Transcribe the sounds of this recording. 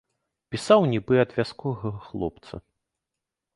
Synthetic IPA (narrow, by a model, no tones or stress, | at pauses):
pʲisawnʲibɨɐd̪vʲaskɔɣɐxlˠɔ̰pt̪sɐ̰